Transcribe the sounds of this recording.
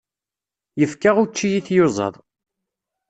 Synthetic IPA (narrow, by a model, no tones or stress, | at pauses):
jəfkaʁʊt͡ʃːijiθjozˤɑ̰ðˤ